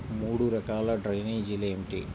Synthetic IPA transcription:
muːɽuɾɐkaːlɐɖɾɐjneːd͡ʒilɐemʈḭ

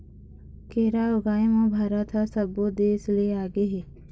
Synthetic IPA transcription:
keːɾaːʊɡaːimõːbʱaːɾat̪ʰasəboːd̪eːsleaːɡeɦeː

